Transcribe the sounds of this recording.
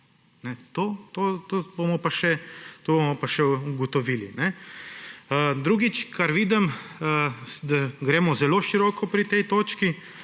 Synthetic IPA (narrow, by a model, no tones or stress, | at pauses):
nɛt̪oːt̪oːt̪obomɔpaʃɛt̪oːbomɔpaʃɛuɡɔt̪ɔʋiːlḭnɛ | əd̪ɾuːɡit͡ʃkaɾʋiːd̪ɛməd̪aɡɾeːmɔzɛloːʃiɾɔːkɔpɾit̪ɛjt̪oːt͡ʃki